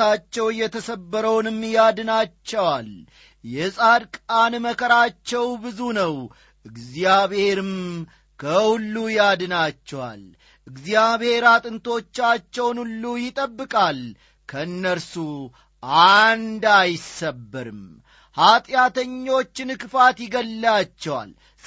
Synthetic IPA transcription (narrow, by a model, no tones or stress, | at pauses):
at͡ʃːɛwjːɛt̪ʰəsəbːəɾəwnɨmːjad̪ɨnat͡ʃːɛwal | jɛsʼad̪kʼanməkʰəɾat͡ʃːɛwbɨzunəw | ʔɨɡzijaβhe̞ɾɨm | kʰəhulːujad̪ɨnat͡ʃːɛwa̰l | ʔɨɡzijaβhe̞ɾat̪ʼɨnt̪ʰo̞t͡ʃːat͡ʃːɛwnulːujɪt̪ʼəbːɨkʼal | kʰəɨnːəɾsu | ʔand̪ajsəbːɨɾɨ̰m | hat̪ʼjat̪ʰəɲːo̞t͡ʃːɪnɨkʼfat̪jɪɡəlːat͡ʃːɛwa̰l